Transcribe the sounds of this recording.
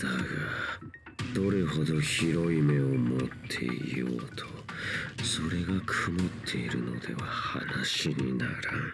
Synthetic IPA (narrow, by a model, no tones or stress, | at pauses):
d̪aɡa | d̪̥o̞ɾeho̞d̪o̞çiɾo̞ime̞omo̞t̪ʰːe̞̰ḭjo̰ːt̪ʰo̥ | so̞ɾe̞ɡakʰɯmɯt̪ʰːe̞iɾɯ̟no̞̰d̪e̞̰βaha̰naɕiɲina̰ɾa